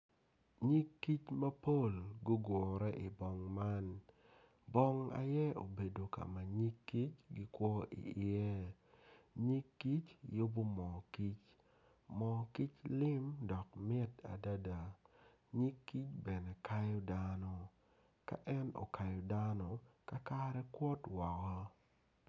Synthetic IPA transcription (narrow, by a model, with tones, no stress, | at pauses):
ɲi˦kːi˦t͡ʃma˦po˦˨lɡʊ˦ɡwɔ˨ɾɛ˦ʔɪ˨bɔ˨ŋma˦n | bɔ˦ŋa̰˨jɛ˦o̰˨be˨do˨ka̰˨ma˨ɲi˦kːi˦t͡ʃɡi˦kwɔ˦ʔḭ˨ɪ˨ɛ˦ | ɲi˦kːi˦t͡ʃjo˦bo˦mɔ˨ki˦t͡ʃ | mɔ˨ki˦t͡ʃlɪ˦mdɔ˨k̚mɪ˦ta̰˨da˦da˨ | ɲi˦kːi˦t͡ʃbɛ˨nɛ˨ka˦jɔ˦da˦nɔ˨ | ka̰˦ʔɛ˦no̰˨kʰa˨jɔ˨da˦nɔ˨ka˦ka˦ɾɛ˦kwɔ˦twɔ˨kɔ˦